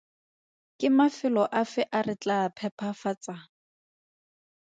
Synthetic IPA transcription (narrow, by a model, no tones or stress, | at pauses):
kʼɪmafɪlɔʔafɛʔarɪt͡ɬʼapʰɛpʰafat͡sʼa